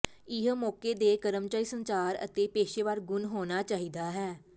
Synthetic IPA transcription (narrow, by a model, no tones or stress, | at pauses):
ɪɦmɔːkeːd̪eːkəɾəmt͡ʃaːiːsənsaːɾə̰t̪eːpeːʃeːʋaːɾɡʊnɦoːnaːt͡ʃaːɦiːd̪aːɦɛː